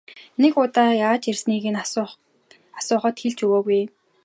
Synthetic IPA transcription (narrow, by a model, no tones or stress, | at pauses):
nekʊt̪aːjat͡ɕersniːɣĕn | asʊːχə̆t̪xeɮt͡ɕɵɣoːɣuj